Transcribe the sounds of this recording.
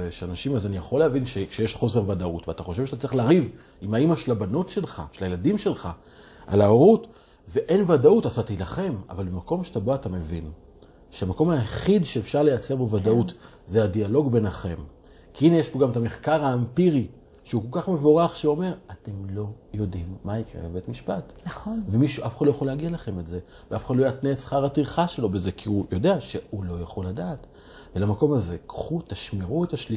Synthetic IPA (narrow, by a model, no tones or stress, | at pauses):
eʃeanaʃimazanijaχo̞lːeavinʃeʃejeʃχo̞se̞ʁvadautveataχo̞ʃevʃat̪at͡sʁiχleːʁiv | imaimaʃelabano̞tʃe̞lχa̰ʃelajeladimʃe̞lχa̰ | ʔa̰lao̞ʁut | ve̞ʔe̞nvadautazatailaχe̞ma̰valbemako̞mʃeataboatame̞vḭn | ʃeamako̞maeχidʃeefʃaʁle̞jat͡se̞ʁbovadaut | zeadialo̞ɡbe̞naχe̞̰m | kʰiinejeʃpoɡamet̪ameχkaʁaːmpiʁi | ʃeuko̞lkaχme̞vo̞ʁaχʃeuo̞me̞ʁate̞mlo̞jo̞dimːaikʁḛbebe̞tmiʃpatnaovemiʃuʔafeχadlojaχoleaɡialaχe̞metze̞ | veafeχad̪lojat̪neːtt͡sχaʁat̪ʁiχaʃe̞lo̞be̞ze̞kʰiujo̞de̞aʃe̞ulo̞jaχo̞lːadaːt | velamako̞maze̞kχut̪aʃmiʁuetaʃli